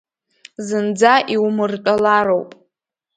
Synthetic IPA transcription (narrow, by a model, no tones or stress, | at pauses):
zɨnd͡zaʔiwmɨrtʼalaɾowpʼ